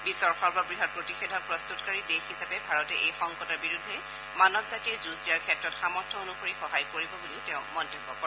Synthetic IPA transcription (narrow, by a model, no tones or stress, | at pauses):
bisɔɹxɔɹbɔbɹiɦɔɹpɹotixedʱɔɹpɹɔstutkaɹidexisapɛbʱaɹɔtɛʔejxɔŋkɔtɔɹbiɹudʱːɛ | manɔbzatiɛzusdiaɹkʰɛtɹɔtxamɔɹtʰɔonuxoɹixɔɦajkoɹibɔbuliʊteʊ̃mɔntebːɔkpɔɹ